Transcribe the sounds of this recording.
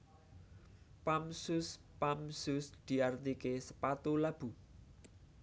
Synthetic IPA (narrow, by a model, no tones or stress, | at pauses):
pamsʊs | pamsʊsd̪̥i̤art̪ikesə̥pat̪ulab̥ṳ